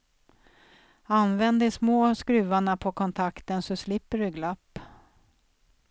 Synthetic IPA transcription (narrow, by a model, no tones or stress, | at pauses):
anvɛnd̪əsmoːskɾʉ̟ːaɳapʰɔkʰɔnt̪ʰakt̪ənsɔslɪpːəɖɵɡlapː